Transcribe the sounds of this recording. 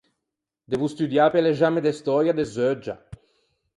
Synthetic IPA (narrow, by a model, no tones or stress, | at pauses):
d̪ɛvust̪yd̪jaːpelezamed̪est̪ɔɾjad̪ezød͡ʒa̰